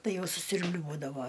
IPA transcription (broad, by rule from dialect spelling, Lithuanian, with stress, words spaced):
ˈtɐɪ ˈjɛʊ sʊsʲʊrʲbʲˈlʲuɔdɐʋoː